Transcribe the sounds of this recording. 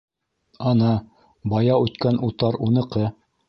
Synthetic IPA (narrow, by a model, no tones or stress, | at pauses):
ɑnɑ | bɑjɑʉt̪kænʔut̪ɑɾunɤ̆qɤ